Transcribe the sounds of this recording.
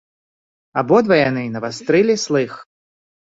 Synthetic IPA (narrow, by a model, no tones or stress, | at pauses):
abɔd̪vɐjanɨnɐvast̪ɾɨlʲislˠɨx